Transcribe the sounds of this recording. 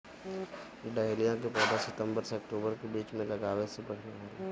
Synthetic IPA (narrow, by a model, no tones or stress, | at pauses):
ɖɛːɪlijãkepɔːd̪asɪt̪ə̃mbəɾseɐk̚ʈoːbəɾkebiːt͡ʃmẽlɐɡaːʋesebɐɽʰneɦaːɾi